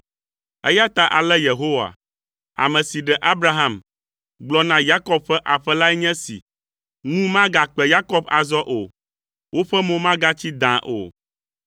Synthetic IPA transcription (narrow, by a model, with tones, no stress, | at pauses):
ɛ̰˦ja˦t̪a˦ʔa˨lɛ˦je˨ɦo˦wa̰˨ | a̰˨mɛ̃˨si˨ɖɛ˨ʔa˦bɾa˦ɦã˨m | ɡ͡blɔ˨˦nã˦ja˦kɔ˦b̚ɸɛ˦ʔa˨ɸɛ˦la˦ɛ˦ɲɛ̃˦sḭ˨ | ŋũ˦mã˦ɡa˨k͡pɛ˨ja˦kɔ˦ba˨zɔ˦ʔo˨ | wo˦ɸɛ˦mõ˦mã˦ɡa˦t͡ɕi˦d̪ã˨ʔo̰˨